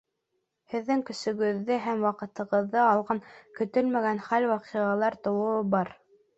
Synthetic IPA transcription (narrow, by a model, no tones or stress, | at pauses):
hɘ̆ðːɘŋkɵ̆sɵ̆ɡɵ̆ðːɘɦæmwɑqɤ̆t̪ɤ̆ʁɤ̆ðːɤɑlˠʁɑŋkɵ̆t̪ɵlmæɡænχælwɑqiʁɑlˠɑɾt̪ŏwɤ̆ɤbɑɾ